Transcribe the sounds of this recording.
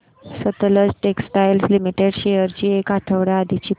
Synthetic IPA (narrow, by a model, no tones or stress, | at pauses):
sət̪ləd͡zʈeksʈajlslimiʈeɽɕejəɾt͡ɕiːekaʈʰəʋɽjaad̪ʱit͡ɕiː